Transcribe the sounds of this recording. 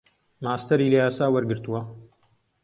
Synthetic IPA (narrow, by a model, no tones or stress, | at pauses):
maːst̪ɐɾiːlɐjaːsaːwɐɾɡɨɾt̪uwɐ